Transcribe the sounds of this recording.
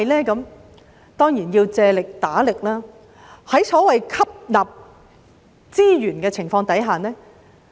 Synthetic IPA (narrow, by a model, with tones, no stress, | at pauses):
ɐ˨jlɛː˥kɐ˨˧m | t̪ɔː˥ŋjiː˨˩njiː˧wt͡sɛː˧lɪ˨k̚t̪aː˨˥lɪ˨k̚laː˥ | hɐ˨˥jsɔː˨˥wɐ˨jkʰɐ˥p̚laː˨p̚ | t͡siː˥jyː˨˩nkɛː˧t͡sʰɪ˨˩ŋfɔː˧ŋt̪ɐ˨˥jɦaː˨˩nɛː˥